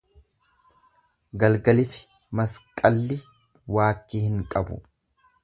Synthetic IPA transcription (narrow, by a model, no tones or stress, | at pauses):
ɡɐlɡɐlɪfɪ̥ | mɐskʼɐlːɪ | waːkːiːhɪŋkʼɐbʊ̰